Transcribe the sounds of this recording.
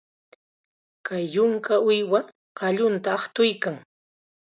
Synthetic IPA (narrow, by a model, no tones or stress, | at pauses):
kajːʊŋkaʊjwa | ɢɑʎʊnt̪aːχt̪ʊjkaŋ